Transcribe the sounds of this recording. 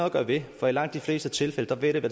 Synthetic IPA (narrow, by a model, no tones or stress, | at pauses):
ɡ̥ɶɐ̰ʋe̝fɒ̽ilɑ̈ŋ̰d̥ifle̝ːsd̥ət͡sʰe̝lfeləd̥ɑ̈ʋeɾ̥eʋæ